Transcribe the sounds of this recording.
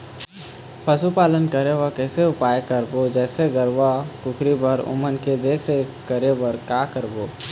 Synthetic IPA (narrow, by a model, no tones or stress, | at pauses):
pʰɐsupaːlənkəɾeʋəkɛːseʊpaːjkəɾbod͡ʒɛːseɡəɾʋakʊkʰɾibəɾʊ̰mənked̪eːkʰɾekəɾeʋəɾkaːkəɾboː